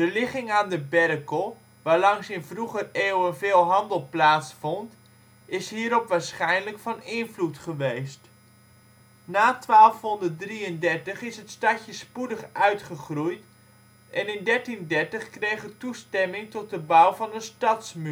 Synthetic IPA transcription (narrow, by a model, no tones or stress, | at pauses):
d̥əlɪχɪŋaːndəbɛrəkəlˠ | ʋaːɹlɑŋsɪnvruχəreːwənveːlˠɦɑndəlˠplaːtsfɔnt | ɪsɦiːɾɔpʋaːɹsχɛjnləkfɑnɪnvlutχəʋejst | naːtʋaːlˠfɦɔndət̚driəndɛɹtəχɪsɦətstɑtəspudəχʔœɥtχəχrujt | ʔɛnɪndɛɹtindɛɹtəχkrejχətustɛmɪŋtɔt̚dəbawvɑnənstɑtsmy